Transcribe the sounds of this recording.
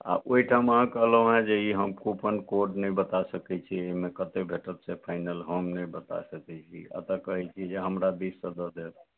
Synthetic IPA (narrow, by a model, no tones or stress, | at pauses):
a̰ʔoiʈʰaməɦãkəɦləɦũɦɛ̃d͡ʒeiɦəmkupənkoɾɖnɛjbət̪asəkɛt͡ʃʰiemekət̪ebʱeʈət̪sɛpʰaɪnəlɦomnəjbət̪a̰səkɛt͡ʃʰḭə̰t̪əkəɦɛt͡ʃʰid͡ʒeɦəmɾad̪isːəd̪əd̪et̪